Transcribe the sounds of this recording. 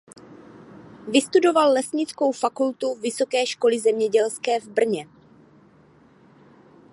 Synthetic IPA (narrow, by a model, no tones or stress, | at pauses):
vɪst̪udo̞valːɛsɲɪt͡skowfakult̪uvɪso̞kɛːʃko̞lɪzɛmɲɛɟɛlskɛːvbr̩ɲɛ